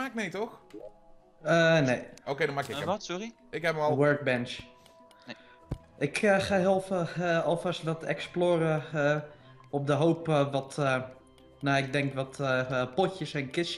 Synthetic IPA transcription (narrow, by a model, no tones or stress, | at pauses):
aːk̚mejtɔx | ənejokejdɔnmaːkɪsɔri | ɪkɦɛpəlwøɹk̚bɛnt͡ʃ | ɪkʰəxaɦɪlˠfɔlˠfastʋɔtɛ̰ksploːɾə | ɔp̚dəɦowpʋɔtə | naɪɡ̚dɛŋkʋɔtpɔcəsɛnkɪs